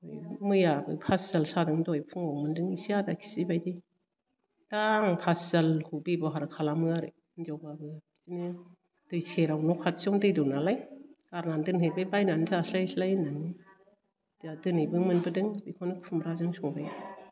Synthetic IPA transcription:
ɔjmɯjabɯ̰pʰaszalsadɯŋdɔjpʰuŋawmɯndɯŋisiadakʰi̥sibajdi | d̥aŋpʰasz̥alkʰubebɔɦaɾɯkʰalamɯaɾɯ | nd͡ʒawbabɯ | zini | d̥ɯjseɾawnɔkʰat̚sɔŋdɯjdɔnalajɡ̥aɾnandɯnɦebebajnanzaslajslajnani | dadɯnɯbɯŋmɯnbɯdɯŋbikʰɔnɯpʰumɾazaŋsɔŋbaja

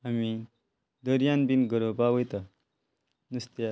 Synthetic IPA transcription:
ami | d̪əɾjanbinɡəɾopaʋəjt̪a | nust̪ja

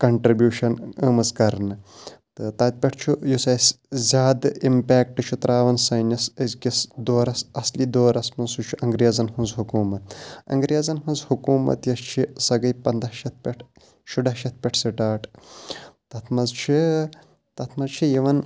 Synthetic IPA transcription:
kɐɳʈɾibjuːʃɐnəmɐzkɐɾnɨt̪ɨt̪ɐːt̪̚ʲpʲɐʈʰt͡ʃʰujusɐsʲ | zʲaːd̪impʲɛːk̚ʈɨt͡ʃʰut̪ɾʔaːʋɐnsɐjnʲɐsɐzʲkʲisd̪oːɾɐsɐslid̪oːɾɐsmɐnsut͡ʃʰuʔɐŋɡɾijɐzɐnɦũnzɦukuːmɐt̪̚ɐ̰ŋɡɾijɐzɐnɦũnzhukuːmɐ̰t̪jɐst͡ʃʰisɐɡɐjpɐnd̪ɐʃɐt̪̚ʰpʲɐʈʰ | ʃuɖɐːʃɐt̪̚pʲɐʈʰsɨʈaːʈ | t̪ɐt̪ʰmɐzt͡ʃʰi | t̪ɐt̪ʰmɐzt͡ʃʰijiʋɐn

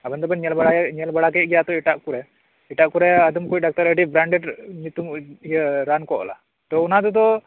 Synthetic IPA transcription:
abənd̪ɔbənɲɛlbaɽaɲɛlbaɽakɛɡɛjat̪ɔɛʈaʔkuɾɛ | ɛʈaʔkuɾɛɐd̪əmkoɖak̚t̪əɾəɖibɾaɳɖɛʈɲut̪umjɾankɔʔla̰ | t̪ɔunat̪ut̪ɔ

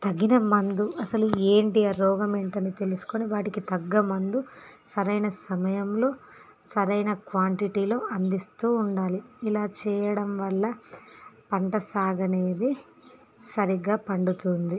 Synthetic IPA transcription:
t̪ɐɡːinɐmɐnd̪uʔɐsɐlueːɳʈiɐɾɔːɡɐmeɳʈɐnit̪e̞lusu̥koniʋaːʈikit̪ɐɡːɐmɐnd̪u | sɐɾɐjnɐsɐmɐjɐmlo̞ː | sɐɾɐjnɐkʋaːɳʈiʈilo̞ːʔɐnd̪ist̪uːɳɖaːliilaːt͡ʃɛːjɐɽɐmʋɐlːɐ | pɐɳʈɐsaːɡɐne̞ːd̪i | sɐɾiɡaːpɐɳɖut̪und̪i

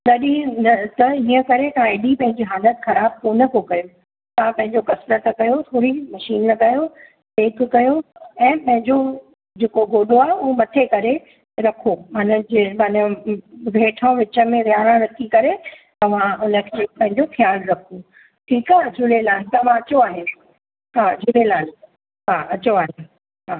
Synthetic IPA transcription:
ɗɐɗinɐt̪ɐɦiːə̃kɐɾet̪aːɪɗipɐ̃ɦɪ̃ɲd͡ʑiɦaːlət̪xɐɾaːb̚koːnəkʰokɐjo | t̪ɐãpɐ̃ɦɪ̃ɲd͡ʑokɐsɾət̪ʰɐkɐjot̪ʰoːɾimɐʃiːnlɐɠaːjo | d̪eːkʰkɐjoɛ̃ːpɐ̃ɦɪ̃ɲd͡ʑo | d͡ʑeːkoɡoːɗoaːɦeʊomɐt̪ʰekɐɾe | ɾɐkʰomanəd͡ʑemɐnəbʱeːʈʰə̃ʋɪt͡ɕə̆mẽʋjaːɾãɾɐkʰikɐɾe | t̪ɐʋ̤ãʊnəkʰeːpɐ̃ɦɪ̃ɲd͡ʑoxjaːlɾɐkʰu | ʈʰiːkaːɦd͡ʑʱʊlelaːɦt̪ɐʋ̤ãɐt͡ɕoaːɦɪn | ɦaːd͡ʑʱʊlelaː | ɦaːɐt͡ɕoaːɦe | ɦaː

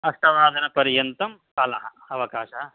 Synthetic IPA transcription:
ɐst̪ɐʋaːd̪ʱɐnɐpɐɾjɐnt̪ɐm | kɐlɐɦɐ | ɐʋɐkaːʃɐɐ

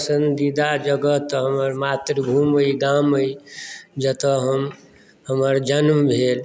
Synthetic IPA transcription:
əsənd̪d̪id̪ad͡ʒəɡət̪ɦəməɾmat̪ɾəbʱuməid̪aməid͡ʒət̪əɦəm | ɦəməɾd͡ʒənmbʱel

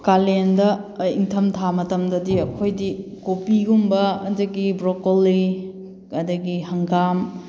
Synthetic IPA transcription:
kalendɐiŋtʰɐmtʰamɐtɐmdɐdiɐkʰojdikopiɡumbɐɐdɐɡibɾokoli | ɐdɐɡihɐŋɡam

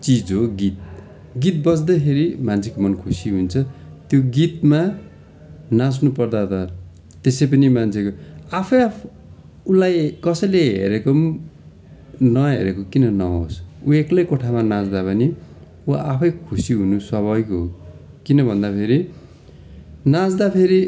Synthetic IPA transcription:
t͡sid͡zɦoɡit̪̚ | ɡit̪̚bʌt͡sd̪ʌkʰeɾimant͡sʰekomʌnkʰusiɦunt͡sʰʌt̪joɡit̪ma | nãs̬nupʌrd̪at̪ʌ | t̪esʌjpʌnimant͡sʰekoapʰʌj | ulajkʌsʌjleɦḛɾekom | nʌɦḛɾekokinʌnʌɦo̰sueklʌjkoʈʰamanãt͡sd̪apʌni | uapʰʌjkʰusiɦunuswʌβʌjko | kinʌbʱʌnd̪apʰeɾi | nad͡zd̪apʰeɾi

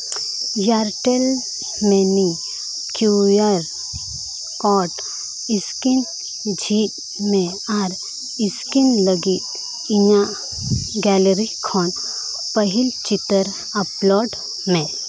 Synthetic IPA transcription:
jaɾʈel | meni | kjujaɾ | kɔʈ | iskin | d͡ʒʱiːt̪ | mẽ | aɾ | iskinləɡit̪ | iɲa | ɡɛləɾikʰɔn | pəɦilt͡ʃit̪əɾ | əplɔːɖ | mẽ

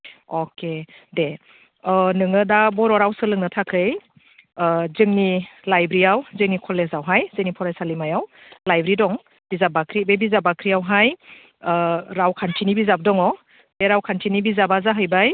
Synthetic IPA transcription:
ɔkʰe | de | nɯŋɯdabɔɾɔɾawsɯlɯŋnɯtʰakʰɯj | zɯŋnilajbɾiawzɯŋnikʰɔlezawɦajz̥enipʰɔɾajsalimajaw | lajbɾidɔŋ | b̥izabakʰɾibebizabakʰɾijawɦaj | ɾawkʰantʰinibizab̚dɔŋɔ | deɾawkʰantʰinibizabazaɦɯjbaj

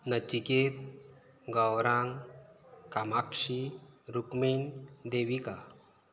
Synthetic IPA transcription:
nət͡ɕiket̪̚ | ɡəwɾaŋ | kamakʂiɾukmind̪eʋika

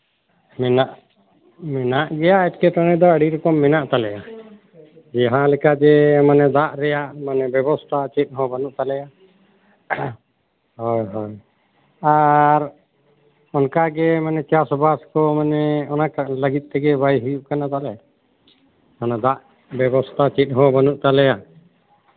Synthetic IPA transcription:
mɛnaʔ | mɛnaʔɡɛjaʔɛt̚kɛʈɔɽ̃ɛd̪ɔəɽiɾɔkɔmːɛnaʔt̪alɛja | d͡ʒɛɦãlɛkad͡ʒɛmanɛd̪aʔɾɛjaʔmanɛbɛbɔst̪ʰat͡ʃɛt̪̚ˀɦɔ̃banuʔt̪alɛja | hɔjɦɔj | aɾ | ɔnkaɡɛmanɛt͡ʃasɔbʱaskɔmanɛɔnakaləɡit̪̚ˀt̪ɛɡɛbʱajɦujuʔkanat̪alɛ | manad̪aʔ | bɛbɔst̪ʰat͡ʃit̪̚ˀɦɔ̃bənuʔt̪alɛja

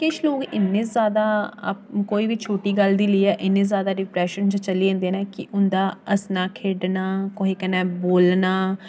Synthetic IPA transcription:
kɪʃʰloːkɪnːẽːzjaːd̪a̰ːpkoːiːʋiːt͡ʃʰoːʈiːɡəld̪iːləiːɛːʔɪnːẽːzjaːd̪aːɖɪpɾɛːʃənd͡ʒət͡ʃəliːẽːnd̪eːnɛːkɪʔʊnd̪aːəsnaːkʰeːɖnaːkoɦiːkənːɛːboːlnaː

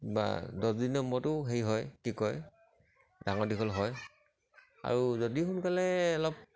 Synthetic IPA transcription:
ba̰dɔsdinɔmɔtʊɦejɦɔjkikɔj | daŋɔɹdikʰɔlɦɔj | a̰ɹuzodixʊnkalɛːlɔp̚

